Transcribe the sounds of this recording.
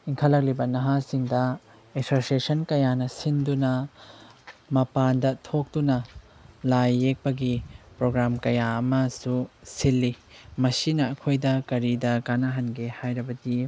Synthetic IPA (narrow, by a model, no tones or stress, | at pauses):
iŋkʰɐlɐk̬̚libɐnɐɦasiŋdɐ | esosiesɐnkɐjanɐsindunɐ | mɐpandɐtʰok̚dunɐ | lajːek̚pɐɡipɾoɡɾamkɐjaɐmɐsusilːimɐsinɐːkʰojdɐkɐɾidɐkanaɦɐnɡehajɾɐbɐdi